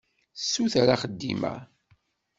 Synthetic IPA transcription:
sːuθɾaχəd̪ːḭmæ̰

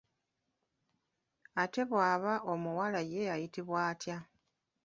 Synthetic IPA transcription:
ate̞βwaːβaʔo̞muwalaje̞ajitiβwaːtja

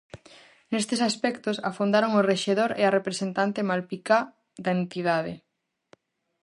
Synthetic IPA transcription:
nest̪esaspɛkt̪osafund̪aɾoŋoreʃeðoɾearepɾesent̪ant̪emalpika | d̪aent̪iðað̞ḛ

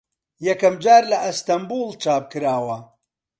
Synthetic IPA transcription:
jɐkɐmd͡ʒaːɾlɐʔɐst̪ɐmbuːlˠt͡ʃʰaːp̚kɨɾaːwɐ

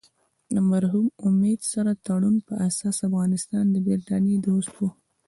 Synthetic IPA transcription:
əmaɾɦumʊmed̪saɾat̪aɽunpəʔasɑsafɣɑnɪst̪ɑnd̪əbeɾt̪ɑned̪ost̪wu

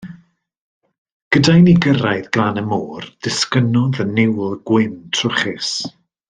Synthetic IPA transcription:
ɡ̥ədajniɡəɾajðɡlanəmoːrd̥ɪskənɔðənɪwlˠɡ̥wɪntʰrʊχɪs

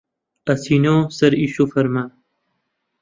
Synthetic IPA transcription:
ɐsiːnõːsɐɾiːɕufɐɾmaː

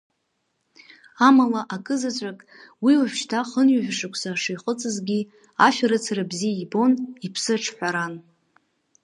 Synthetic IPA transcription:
amalaʔakʼɨzat͡ɕʷʼakʼ | wiaʃʃtʰaχənɥaʒᶣʷʂɨkʷʰsaʂijχət͡sʼɨzɡʲi | afaɾɨt͡sʰarɨbzijaibo̞nipʰsɨʈ͡ʂʰħʷᶣaɾan

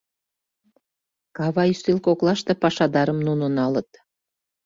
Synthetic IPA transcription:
kɑβɑjyst̪ilkoklɑʃt̪epɑʃɑd̪ɑɾəmnunonɑlə̆t̪

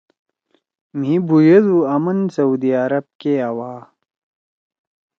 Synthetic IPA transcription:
m̤ɦibujed̪uɐmɐnsɐud̪iaɾɐb̚keɐwaː

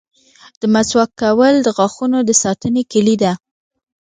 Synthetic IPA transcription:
d̪̥əmaswakːawəld̪əɣɑxunod̪əsɑt̪ənekəlid̪a

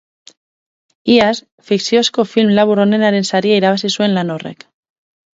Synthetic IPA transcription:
ias | fiksjoskofilmlaβuɾonenaɾensaɾiajɾaβasiswenlanorḛk

